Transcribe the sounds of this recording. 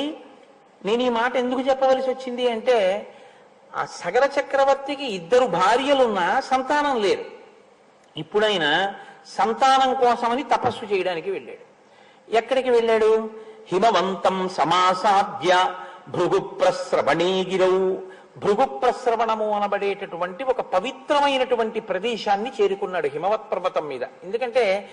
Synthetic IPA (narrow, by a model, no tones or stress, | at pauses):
ne̞ːnuiːmaːʈɐe̞nd̪ukut͡ʃɛpːɐʋaːlisiot͡ʃːind̪iɐɳʈe̞ː | sɐɡɐɾɐt͡ʃɐkɾɐʋɐɾt̪ːikiid̪ːɐɾubʱaːɾjɐlunːɐsɐnt̪aːnɐmle̞ːɾu | ipːuɽɐjinɐsɐnt̪aːnɐmkɔːsɐmɐnit̪ɐpɐsːut͡ʃɛːjɐɽaːnikiʋe̞ɭːa̰ːɽu | ɛkːɐɽikiʋe̞ɭːaːɽuhimɐʋɐnt̪ɐmsɐmaːsaːd̪jɐbʱɾuɡupɾɐsɾɐʋɐɳeːɡiɾɐwu | bʱɾuɡupɾɐsɾɐʋɐɳɐmuɐnɐbɐɽeːʈɐʈuʋɐɳʈiɔkɐpɐʋit̪ɾɐmɐjnɐʈuʋɐɳʈipɾɐd̪ɛːʃaːnːit͡ʃe̞ːɾukunːaːɽuɦimɐʋɐt̪̚pɾɐbɐt̪ɐmːiːd̪ɐ̰end̪ukɐɳʈe̞ː